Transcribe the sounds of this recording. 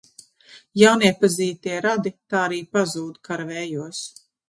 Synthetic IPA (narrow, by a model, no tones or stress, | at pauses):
jawniɛpaziːt̪iɛɾad̪it̪aːɾiːpazuːd̪kʰaɾvɛːjuɔs